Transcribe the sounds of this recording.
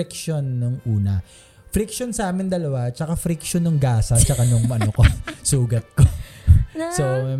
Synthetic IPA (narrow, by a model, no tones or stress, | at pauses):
ik̚ʃonːoŋʔuːnɐ̰ | fɾik̚ʃonsɐʔaːmɪnd̪ɐlɐwat͡ʃɐkafɾikʃonʊŋɡaːsɐt͡ʃɐkanʊŋmɐnokosuːɡɐt̪̚ko | so